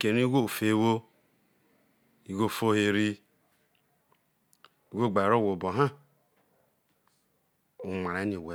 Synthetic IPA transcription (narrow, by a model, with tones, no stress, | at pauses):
ke˨ni˦ɡʷo˦˨fe˦˨˦wo˦ | i˨ɡo˦˨fo˦he˨ɾi˦ | i˨ɡo˦˨ɡ͡ba˨ɾo˦˨wo˨bo˨ɦa˦ | u˨ma˨ɾe˨˦ni˨we˨˦